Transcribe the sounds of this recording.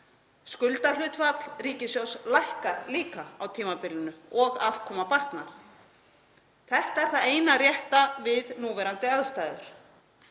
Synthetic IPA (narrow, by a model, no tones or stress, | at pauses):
skʏlt̪alʏːt̪fat̪l̥riːcɪsjowslajhkaɾliːkaawt̪ʰiːmapɪlʏnʏɔɣav̥kʰɔːmapaht̪naɾ̥ | θɛht̪aɛɾ̥θaðeːjnarjɛht̪avɪðnuːvɛɾant̪ɪaðst̪aːjðʏɾ̥